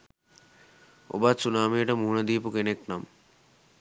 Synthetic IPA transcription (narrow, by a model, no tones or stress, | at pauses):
o̰basunaːmeːʈɐmuɦunɐd̪iːpukeneknam